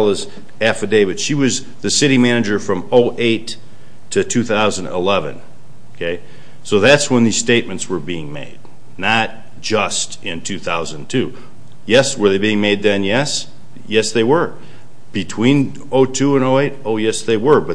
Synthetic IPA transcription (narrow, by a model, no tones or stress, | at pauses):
lˠəz | æfɨdeɪvɨd̥ʃiwʌz | ðɨsɪɾimænɨd͡ʒə˞fɹʌ̃moʊʔeɪtʰ | ɨtʰʉθaʊzɨ̃n̩dɪlɛvɨ̰̃n | okʰeɪ | soʊðætswə̃nðiz̥steɪt̚mɨ̃ntswə˞biɪ̃ŋmḛɪd̥ | nət̚ | d̥ʒ̥ʌst | ɪ̃ntʰʉθaʊzɨ̃ntʰʉ | jɛswə˞ðeɪbiɪ̃ŋmeɪd̪̚ðɨ̃njɛs | jɛsðeɪwə˞ | b̥ɨtʰw̥ĩn | oʊtʰuə̃noʊeɪɾoʊjɛsðeɪwə˞bʌ